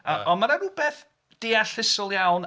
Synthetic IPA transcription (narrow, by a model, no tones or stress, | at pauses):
əʔɔnmaɾaɾuːbeθ | d̥eːaɬɪsʊlˠjawn